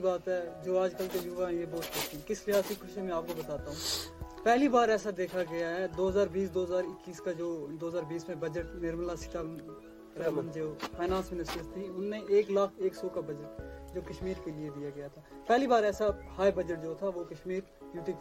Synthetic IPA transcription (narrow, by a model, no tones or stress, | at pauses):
ibaːt̪ɦɛd͡ʒoːaːd͡ʒkəlkejʊʋaɦɛ̃jebɔːt̪̚kɐt̪ʰikɪslɪɦaːsikʰʊʃemɛ̃aːp̚kobɐt̪aːt̪aɦũːpɛɦlibaːɾɛːsad̪eːkʰaɡɐjaɦɛd̪oːɦəzaːɾbiːsd̪oːɦəzaːɾɪkːiːskad͡ʒoːd̪oːɦəzaːɾbiːsmẽbɐd͡ʒəʈnɪɾməlasɪ̥t̪ʰa | ɾɛənd͡ʒoːpʰaːnãːnsmɪnɪsʈəɾst̪ʰiʊnːẽʔeːklaːkʰeːksɔːkabɐd͡ʒəʈ̚d͡ʒoːkɐʃmiːɾkelied̪ijaɡɐjat̪ʰaːpɛɦlibaːɾɛːsahaːjbɐd͡ʒəʈ̚d͡ʒoːt̪ʰaʋokɐʃmiːɾ | ɖjuːʈi